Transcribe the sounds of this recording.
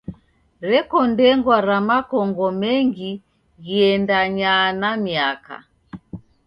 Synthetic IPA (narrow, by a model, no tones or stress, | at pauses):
ɾɛkɔndɛŋɡwaɾamakɔŋɡɔmɛŋɡi | ɣiɛndaɲanamiaka̰